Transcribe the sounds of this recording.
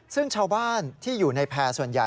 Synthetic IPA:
sɯ˥˩ŋt͡ɕʰaː˧wbaː˥˩nt̪ʰiː˥˩juː˨˩na˧jpʰɛː˧su˨˩ənja̰˨˩

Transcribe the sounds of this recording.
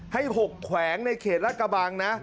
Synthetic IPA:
ha˥˩jɦo˨˩kʰːwɛː˩˦ŋna˧jkʰeː˨˩t̪̚ɾa˦˥kːa˧baː˧ŋna˦˥

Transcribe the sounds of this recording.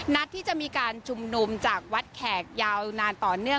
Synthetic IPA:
na˦˥t̪ʰːiː˥˩t͡ɕa˨˩ʔmiː˧kaː˧nt͡ɕʰu˧mnu˧mt͡ɕaː˨˩k̚wa˦˥t̪̚kʰɛː˨˩k̚jaː˧wnaː˧nt̪ɔː˨˩nɯ˥˩ə

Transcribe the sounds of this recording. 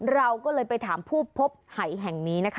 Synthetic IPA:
ɾa˧wkɔː˥˩lɤː˧jpa˧jt̪ʰaː˩˦mpʰuː˥˩pʰːo˦˥p̚ha˨˩˦jɦɛ˨˩ŋniː˦˥na˦˥kʰ

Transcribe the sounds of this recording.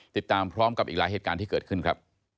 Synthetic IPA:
t̪i˨˩t̪ːaː˧mpʰɾɔː˦˥mka˨˩pʔiː˨˩k̚aː˨˦jɦeː˨˩t̪̚kaː˧nt̪ʰiː˥˩kɤː˨˩t̪̚kʰɯ˥˩nkʰɾa˦˥p̚

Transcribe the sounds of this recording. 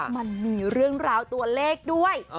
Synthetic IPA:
ma˧nmiː˧ɾɯ˥˩əŋɾaː˧wt̪u˧ɐleː˥˩k̚du˥˩əj

